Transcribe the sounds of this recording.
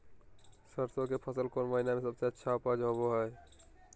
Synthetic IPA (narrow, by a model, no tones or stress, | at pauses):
səɾsokepʰəsəlkoɾməɦinamesəbseətːʃʰaupad͡ʒɦoboɦɔe